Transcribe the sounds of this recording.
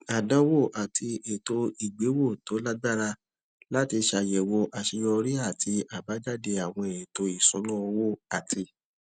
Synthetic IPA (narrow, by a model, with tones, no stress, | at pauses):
a˨dã˨˦wo˦˨ʔa˨tʰi˧e˨to˧i˨ɡ͡be˨˦wo˦˨to˨˦la˦ɡ͡ba˦ɾa˧ | la˦ti˧ʃa˧˨jɛ˨wo˧ʔa˨ʃi˧jɔ˧ɾi˦a˦˨tʰi˧ʔa˨ba˨˦d͡ʒa˦˨de˧a˨w̃ɔ̃˧e˨to˧i˨sũ˨˦lɔ̃˦ɔ˧wo˦˨a˨ti˧